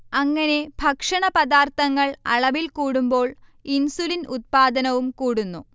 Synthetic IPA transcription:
ɐŋːɐne̞bʱɐkʂɐɳɐpɐd̪aːrt̪ʰɐŋːɐɭɐ̰ɭɐʋilkuːɽumbo̞ːɭinsulinʔut̪̚paːd̪ɐnɐʋumkuːɽunːu

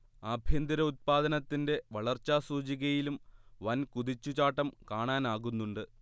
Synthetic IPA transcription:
ɐbʱjɐnd̪iɾɐut̪̚paːd̪ɐnɐt̪ːinde̞ʋɐɭɐrt͡ɕːaːsuːt͡ɕiɣɐjilumʋɐnkuðit͡ɕːut͡ɕaːʈːɐmkaːɳaːnaːɣunːuɳɖɨ

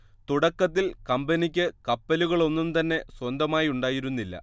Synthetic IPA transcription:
t̪uɽɐkːɐt̪̬ːilkɐmbɐnikʲːɨkɐpːɐluɣɐɭo̞nːumt̪ɐnːe̞swɐnd̪ɐmaːjiuɳɖaːjiɾunːilːɐ̰

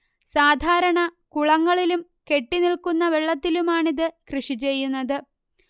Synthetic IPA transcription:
saːd̪ʱaːɾɐɳɐkuɭɐŋːɐɭilum | ke̞ʈːiniɭkunːɐʋeɭːɐt̪ːilumaːɳiðɨkrɨʂit͡ɕe̞jːunːɐðɨ

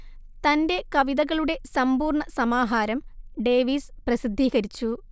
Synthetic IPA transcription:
t̪ɐnde̞kɐʋiðɐɣɐɭuɽe̞sɐmbuːrɳɐsɐmaːɦaːɾɐmɖe̞ːʋiːsprɐsid̪ʱːiːɣɐɾit͡ɕːu

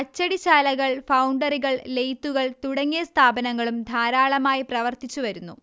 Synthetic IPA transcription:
kɐt͡ɕːɐɽit͡ɕaːlɐɣɐɭfɐwɳɖɐriɣɐɭle̞jt̪ːuɣɐɭt̪uɽɐŋːieɐst̪ʰaːbɐnɐŋːɐɭumd̪ʱaːɾaːɭɐmaːjiprɐʋɐrt̪it͡ɕːuʋɐɾunːu

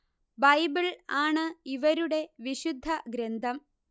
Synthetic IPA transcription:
bɐjbiɭaːɳɨiʋɐɾuɽe̞ʋiɕud̪ʱːɐɡɾend̪ʱɐm

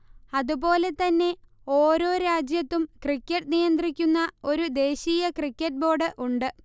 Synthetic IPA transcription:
ɐðubo̞ːle̞t̪ɐnːe̞ | o̞ːɾo̞ːɾaːd͡ʑjɐt̪ːumkrikʲːɐʈːɨnijɐnd̪rikʲːunːɐo̞ɾud̪e̞ːɕiːjɐkrikʲːɐʈ̚bo̞ːrɖɨʔuɳɖɨ

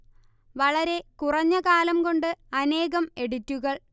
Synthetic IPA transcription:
ʋɐɭɐɾe̞kurɐɲːɐkaːlɐmko̞ɳɖɨɐne̞ːɣɐme̞ɽitːuɣɐɭ

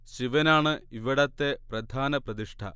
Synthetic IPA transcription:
ɕiʋɐnaːɳɨiʋiɽɐt̪ːeprɐd̪ʱaːnɐprɐd̪iʂʈʰɐ̰

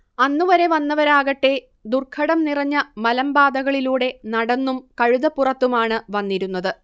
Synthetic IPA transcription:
ɐnːuʋɐɾe̞ʋɐnːɐʋɐɾaːɣɐʈːe̞ | d̪urkʰɐɽɐmnirɐɲːɐmɐlɐmbaːd̪ɐɣɐɭiluːɽe̞nɐɽɐnːumkɐɻuðɐpːurɐt̪ːumaːɳɨʋɐnːiɾunːɐðɨ

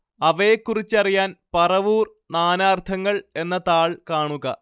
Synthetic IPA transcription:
ɐʋɐjekːurit͡ɕːɐrijaːnpɐrɐʋuːr | naːnaːrt̪ʰɐŋːɐɭe̞nːɐt̪aːɭkaːɳuɣɐ

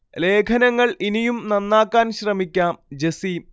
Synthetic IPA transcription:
le̞ːkʰɐnɐŋːɐɭinijumnɐnːaːkːaːnɕrɐmikʲːaːmd͡ʑesi

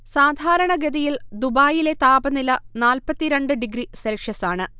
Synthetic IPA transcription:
saːd̪ʱaːɾɐɳɐɡɐd̪ɐjild̪ubaːjile̞t̪aːbɐnilɐnaːlpɐt̪ːiɾeɳɖɨɖiɡɾiselʂjɐsaːɳɨ

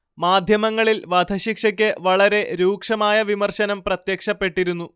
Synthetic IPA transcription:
maːd̪ʱjɐmɐŋːɐɭilʋɐd̪ʱɐɕikʂɐk̬ʲːɨʋɐɭɐɾe̞ɾuːkʂɐmaːjɐʋimɐrɕɐnɐmprɐt̪jekʂɐpːe̞ʈːiɾunːu

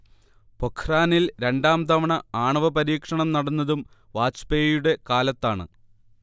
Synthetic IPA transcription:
po̞kʰraːnilɾe̞ɳɖaːmd̪ɐmɐɳɐaːɳɐʋɐpɐɾiːkʂɐɳɐmnɐɽɐnːɐðum | ʋaːt͡ɕpejuɽe̞kaːlɐt̪ːaːɳɨ̰

